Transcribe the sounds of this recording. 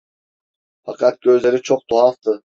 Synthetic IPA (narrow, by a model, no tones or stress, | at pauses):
fɑqɑt̪̚ɡ̥ʲø̞zle̞ɾit͡ʃʰoq̚t̪ʰoɑlˠt̪ɯ